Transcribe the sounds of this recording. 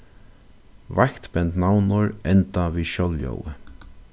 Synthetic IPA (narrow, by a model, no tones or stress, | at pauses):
vakt̪bɛnt̪nawnʊɹɛnt̪aviːʃɔljɔ̰wə̰